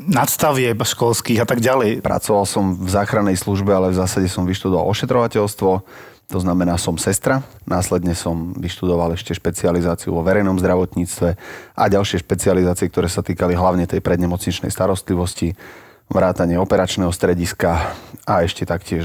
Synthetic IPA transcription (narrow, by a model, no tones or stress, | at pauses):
nat̪st̪aʋɪɛpʃkɔlskiːɣat̪aɡɟalɛjpɾa̰t͡sɔʋalsɔmvzaːxɾanːɛjsluʒbɛalɛvzaːsaɟɛsɔmʋiʃt̪ud̪ɔʋa̰lˠɔʃɛt̪ɾɔʋacɛʎst̪ʋɔ | t̪ɔznamɛnaːsɔmsɛst̪ɾa | naːslɛd̪ɲɛsɔmʋiʃt̪ud̪ɔʋalɛʃcɛʃpɛt͡sializaːt͡siṵʋɔʋɛɾɛjnɔmzd̪ɾaʋɔt̪ɲiːt͡st̪ʋɛʔa̰ɟalʃɪɛʃpɛt͡sializaːt͡siɪɛk̚t̪ɔɾɛːsat̪iːkaliɦlaʊɲɛt̪ɛjpɾɛd̪ɲɛmɔt͡sɲit͡ʃnɛ̰jst̪aɾɔst̪liʋɔsci | ʋɾaːt̪aɲɪɛɔpɛɾat͡ʃnɛːɦɔst̪ɾɛɟiskaaɛʃcɛt̪akcɪɛʃ